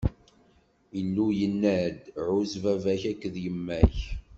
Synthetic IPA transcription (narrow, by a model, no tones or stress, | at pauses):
inːujənːæd̪ʕʊzvævæçækːðjəmːæç